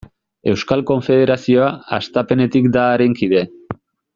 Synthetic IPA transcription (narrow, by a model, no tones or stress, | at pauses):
e̞wskalko̞ɱfe̞ð̞e̞ɾasio̞aa̰st̪ape̞ne̞t̪ikd̪aːɾeŋkið̞e̞